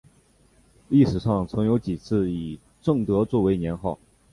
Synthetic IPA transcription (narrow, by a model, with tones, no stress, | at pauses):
li˥˩ʂɻ̩˨˩ʂɑ˥˩ŋt͡sʰɤ˧˥ŋjo˧˥ʊt͡ɕi˨˩t͡sʰɹ̩˥˩i˨˩ | ʈ͡ʂɤ˥˩ŋt̪ɤ˧˥t͡swɔ˥˩we˧˥ɪnjɛ˧˥nxɑ˥˩ʊ